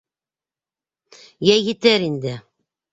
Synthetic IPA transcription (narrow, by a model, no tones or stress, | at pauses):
jæjɘ̆t̪æɾind̪ɘ